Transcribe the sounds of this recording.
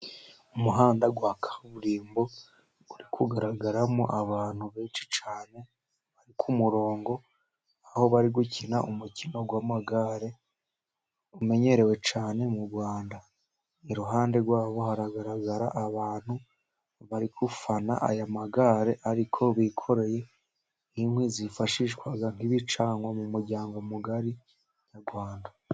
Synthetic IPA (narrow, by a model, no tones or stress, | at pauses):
umuɦaːndaɡwaːkʰḁuβuɾiːmbo̞̥ | uɾikʰuɡaɾaɡaɾamoʔaβaːn̥huβeːnʃi̥t͡ʃaːne̞ | βaɾikʰumuɾo̞ːŋɡo̞ | aho̞βaɾiɡucʰinaʔumucino̞ɡwaːmaɡaɾe̞ | ume̞ɲe̞ɾe̞we̞t͡ʃaːne̞muβwaːnda | iɾuɦaːnde̞ɾɡwaːβo̞haɾaɡaɾaɡaɾaʔaβaːn̥hu | βaɾikʰufana̰ʔa̰jamaɡaːɾe̞ʔaɾikʰo̞βikʰo̞ɾe̞je̞ | imhwizifaʃiʃkwaɡan̥iβit͡ʃaːŋɡwamumuɾɟaːŋɡo̞muɡaɾi | ɲaɡwaːnda